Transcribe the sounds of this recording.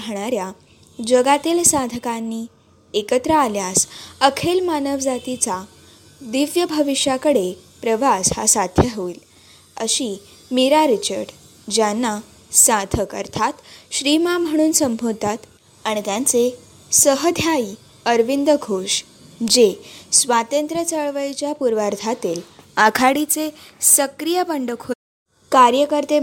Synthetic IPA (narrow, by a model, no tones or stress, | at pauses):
ɦɳ̃aɾja | d͡ʑəɡat̪iːlsad̪ʱəkanːiː | ekət̪ɾəaljasəkʰelmanəʋd͡zat̪it͡sa | d̪iʋjəbʱəʋiʂjakəɽepɾəʋasha̰sad̪ʱjəɦʋiːl | əɕiː | miɾaɾit͡ɕəɾɖ | d͡ʑanːa | sad̪ʱəkə̰ɾt̪ʰat̪ɕɾimam̤əɽ̃uːnsəmbʱot̪at̪ | aɽ̃it̪jãnt͡se | səɦəd̪ʱjai | əɾʋind̪əɡʱoʂ | d͡ʑesʋat̪ənt̪ɾət͡səɭʋəjt͡ɕjapuɾʋaɾd̪ʰʱat̪iːlakʰaɽit͡sesəkɾijəpəɳɖəkʰo | kaɾjəkəɾt̪e